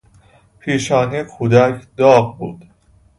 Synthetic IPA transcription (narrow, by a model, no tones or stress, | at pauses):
pʰiːʃɒːnikʰuːd̪ækʰd̪ɒːɢbuːd̪̥